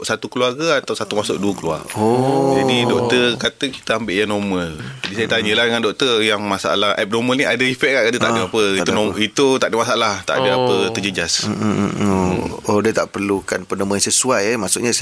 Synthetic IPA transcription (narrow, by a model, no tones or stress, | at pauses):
sat̪ukluarɡaat̪awsat̪umasʊʔ̚duəkəlua̰rod͡ʒaidɔk̚t̪ərkat̪əki̥t̪əambɪʔjanɔməld͡ʒadisajət̪aɲəlahdəŋandɔk̚t̪ərjaŋmasaa̰lahʔɛp̚nɔməlniʔadəifɛʔ̚kaʔkadət̪a̰ʔdəapəiuit̪ut̪aʔdəmasaalaht̪a̰ʔdəapət̪əd͡ʒəd͡ʒas | oodət̪aʔpərlukanpənəmaansəsuajəmaʔsuʔɲa